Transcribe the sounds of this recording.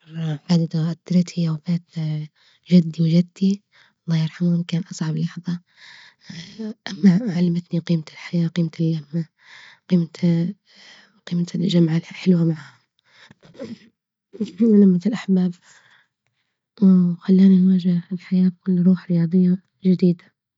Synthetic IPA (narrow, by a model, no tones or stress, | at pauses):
bad̪ad̪ʔat̪ːɑɾt̪ʰhiawbaːt̪ | ʒad̪ːiwd͡ʒad̪ːi | ʔɑlˤːɑːjɪɾˤħamunkaːnʔɑsˤʕɑblɑħðˤɑ | ʔamːaʕalːamat̪niqiːmat̪ɪlħajaːqiːmat̪ɪlːamːa | qiːma | qiːmat̪lʒamʕaħɪlwamaʕha | lamːat̪ɪlʔaħbaːb | wxalːaːniwaːʒaɪlħajaːb̚kʊlːɾˤuːħɾɪjɑːd̪ˤɨjːa | ʒɪd̪iːd̪a